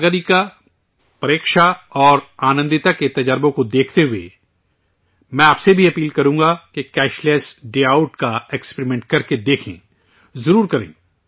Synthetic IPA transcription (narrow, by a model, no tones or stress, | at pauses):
ɡəɾika | pɐɾeːkʃaɔːɾaːnə̃nd̪ɪt̪aket̪ɐd͡ʒəɾbõkod̪eːkʰt̪eɦʊḛ | mɛ̃aːpsebʱiɐpiːlkɐɾũːŋɡakekɛːʃleːsɖeːaːʊʈkaekspɾimɛ̃ɳʈ̚kɐɾked̪eːkʰḛ̃ː | zɐɾuːɾkɐɾḛ̃ː